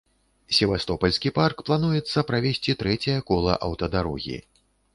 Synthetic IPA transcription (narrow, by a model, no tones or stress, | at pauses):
sʲɛvast̪ɔpɐlʲsʲkʲiparkplˠanujɛt̪sːɐpɾavʲesʲt͡sʲit̪ɾɛt͡sʲɐjɐkɔlˠɐ̰ʔɐwt̪ɐd̪aɾɔ̰ɣʲḭ